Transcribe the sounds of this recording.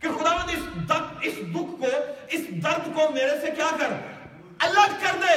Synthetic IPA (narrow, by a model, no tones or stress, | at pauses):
kexʊd̪aːʋə̃nd̪ɪsd̪əɪsd̪ʊkʰːoɪsd̪əɾd̪koːmeːɾesekjaːkəɾ | ɐləɡkəɾd̪eː